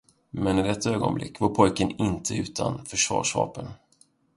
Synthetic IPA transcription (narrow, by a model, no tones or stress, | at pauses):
mɛnɪd̪ɛt̪ʰːaøːɡɔ̰nblɪ̰kːvaɾpʰɔjkənɪnt̪ʰəʉ̟ːt̪ʰanfœʂv̥ɑ̰ːʂvɑ̰ːpən